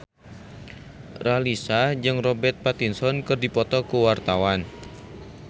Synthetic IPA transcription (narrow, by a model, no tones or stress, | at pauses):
ralisad͡ʒɨŋrɔbɛrt̪̚pat̪insɔnkɨrdipɔt̪ɔkuwart̪awan